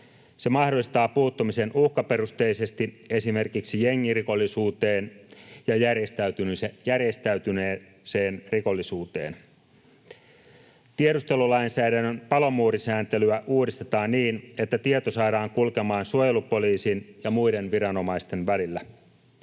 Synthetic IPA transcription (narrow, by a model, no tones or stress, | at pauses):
se̞mɑhdoist̪ɑːpuːt̪ːumise̞nʔuhkɑpe̞rust̪eːise̞st̪i | e̞sime̞rkiksijeŋːiriko̞lːisuːt̪eːnjɑjærjest̪æyt̪ynjærje̞st̪æyt̪yneː | seːnriko̞lːisuːt̪e̞̰ːn | t̪ieɾust̪e̞lulɑinsæːɾænːønpɑlo̞muːɾisæːnt̪e̞lyæʔuːdist̪et̪ɑːnniːne̞t̪ːæt̪iet̪osɑːɾɑːŋkulkemɑːnsuojelupo̞liːsinjɑmujde̞nʋiɾɑno̞mɑist̪e̞nʋælilːæ